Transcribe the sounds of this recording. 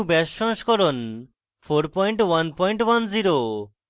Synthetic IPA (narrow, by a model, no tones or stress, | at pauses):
bɛʃːɔ̃nʃkɔɾon | fʰoɾpɔjɳʈwanpɔjɳʈwanziɾo